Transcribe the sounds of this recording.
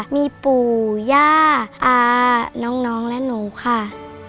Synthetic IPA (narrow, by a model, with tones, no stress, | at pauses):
miː˧puː˨˩jaː˧˩ʔaː˧˩nɔː˦˥ŋnɔː˦˥ŋlɛ˦˥nuː˨˦kʰa˧˩